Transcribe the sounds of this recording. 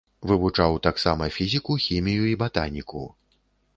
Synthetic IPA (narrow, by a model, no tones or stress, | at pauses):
vɨvut͡ʂawt̪aksamɐfʲizʲikuxʲimʲijuibat̪a̰nʲikṵ